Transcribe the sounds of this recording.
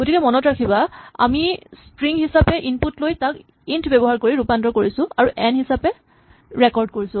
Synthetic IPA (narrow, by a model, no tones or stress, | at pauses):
ɡ̥otikɛmɔnɔtɹakʰibaa̰mistɹiŋhisapɛʔinputlojtak | intʰbɛbɔɦaɹkoɹiɹupandɹɔkoɹisʊ̃aɹuʔɛnhisapɛ | ɹɛkɔɹd̚koɹisʊ̃